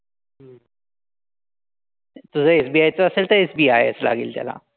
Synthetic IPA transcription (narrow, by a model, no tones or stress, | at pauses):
t̪ud͡zʱəesbiːajt͡səəselt̪əɾesbiajesla̰ɡḭːlt̪ja̰la̰